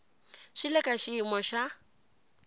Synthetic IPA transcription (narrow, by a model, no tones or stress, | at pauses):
ʃilɛkʼaʃiːmɔʃa